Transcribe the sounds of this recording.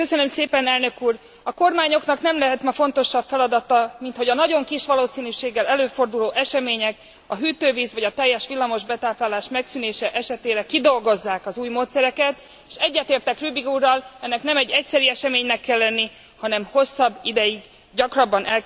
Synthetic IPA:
køsønø̞mseːpɛnɛlnø̞kuːr | ɒko̞rmaːɲo̞knɒknɛmlɛɦɛt̪mɛfo̞nt̪o̞ʃːɒbfɛlɒd̪ɒt̪ɒmint̪ho̞ɟɒnɒɟo̞ŋkiʃʋɒloːsiːnyʃeːɡːɛlɛløːfo̞rd̪uloːʔɛʃɛmeːɲɛk | ɒɦyːt̪øːviːzʋɒɟɒt̪ɛjːɛʃʋilːɒmo̞ʒbɛt̪aːplaːlaːʃmɛksyːneːʃɛʔɛʃɛt̪eːɾɛkid̪o̞lɡo̞zːaːkɒzuːjmoːt̪sɛɾɛkɛt̪ | eʃɛɟːɛt̪eːrt̪ɛkrybiɡuːrːɒlɛnːɛknɛmɛɟːɛc̚sɛɾiɛʃɛmeːɲnɛkːɛlːɛnːi | hɒnɛmho̞sːɒbːid̪ɛjiɡ | ɟɒkrɒbːɒnʔɛl

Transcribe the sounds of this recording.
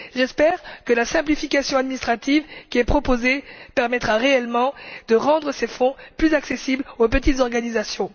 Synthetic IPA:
ʒɛspɛʁkəlasɛ̃plifikasjɔ̃ad̪minist̪χat̪ivkʲiɛpχɔpozepɛʁmɛt̪χaʁeɛlmɑ̃d̪əʁɑ̃d̪ʁəsefɔ̃plyzaksesiblopət̪it̪zɔʁɡanizasjɔ̃

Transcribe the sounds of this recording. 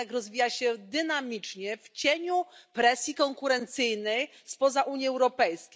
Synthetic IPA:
ɛkɾɔzvʲijaɕɛd̪ɘnamʲit͡ʂɲɛft͡ɕeɲupɾɛsʲjikɔŋkuɾɛnt̪sɘjnɛj | spɔzaʔuɲjiɛwɾɔpɛjskʲe

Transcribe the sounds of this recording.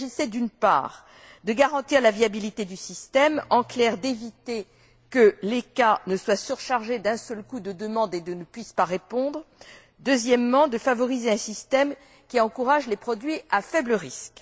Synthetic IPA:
ʒisɛd̪ynpa̰ːʁ | d̪əɡaʁɑ̃t̪iʁlaviabilit̪ed̪ysist̪ɛmɑ̃klɛʁd̪evit̪e | kəlekanəswasyʁʃaʁʒed̪ɛ̃sœlkud̪əd̪əmɑ̃d̪ed̪ənəpɥispaʁepɔ̃d̪ʁ | d̪øzjɛmːɑ̃d̪əfavɔʁizeɛ̃sist̪ɛm | kʲiɑ̃kuʁaʒlepχɔd̪ɥiʔafɛbləʁisk

